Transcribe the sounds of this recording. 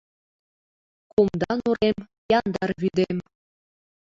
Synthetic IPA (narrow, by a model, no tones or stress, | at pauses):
kumd̪ɑnuɾem | jɑnd̪ɑrβyd̪em